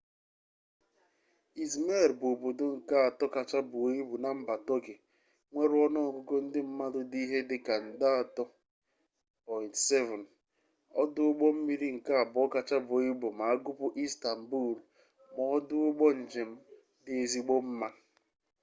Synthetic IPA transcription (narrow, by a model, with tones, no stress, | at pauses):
i˨zme˦˨ɾbo˨bo˨dʊ˦ŋ̩˨ka˦a˨tɔ˦ka˨t͡ʃa˦bʊ˨o˨i˦bu˨na˨m̩˦ba˨tɔ˦ke˨ | ŋʷe˦ɾɔ˦nɔ˦˨ko˦ko˦n̩˦dɪ˦m̩˦ma˦dʊ˦di˦ɦe˦dɪ˦ka˨n̩˨da˦a˨tɔ˦ | pɔ˨ɪ˨ntse˦vɔ˨n | ɔ˦dʊ˦ʊ˦ɡ͡bɔ˦m̩˦mi˦ɾi˦ŋ̩˨ka˦a˨bɔ˦ka˨t͡ʃa˦bʊ˨o˨i˦bu˨ma˨a˦ɡʊ˦pʊ˦ʔi˦sta˨m̩˨bu˦˨l | mɔ˨˦dʊ˦ʊ˦ɡ͡bɔ˦n̩˨d͡ʒe˨m̩˦ | dɪ˨e˦zi˦ɡ͡bo˦m̩˦ma˦